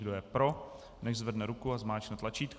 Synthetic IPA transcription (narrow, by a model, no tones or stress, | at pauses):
dojɛpɾo | nɛʒzvɛdnɛɾukuazmaːt͡ʃnɛt̪lat͡ʃiːt̪k